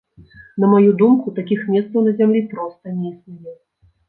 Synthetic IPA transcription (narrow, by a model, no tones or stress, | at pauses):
nɐmajud̪umkut̪akʲixmʲɛst̪sɐwnɐzʲamlʲipɾɔst̪ɐnʲɛisnʲijʲɛ